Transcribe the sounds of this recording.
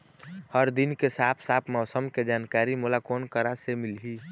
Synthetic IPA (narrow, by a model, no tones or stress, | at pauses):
həɾd̪inkesaːpʰsaːpʰmɔʊsəmked͡ʒaːnkaːɾimolakoːnkəɾasemɪlɦi